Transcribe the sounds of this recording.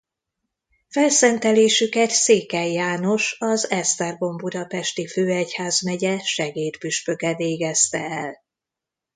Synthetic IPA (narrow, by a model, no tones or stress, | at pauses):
fɛlsɛnt̪ɛleːʃykɛt̪seːkɛjːaːno̞ʃɒzɛst̪ɛrbo̞mbud̪ɒpɛʃt̪iføːɛchaːzmɛɟɛʃɛɡeːd̪byʃpø̞kɛveːɡɛst̪ɛɛl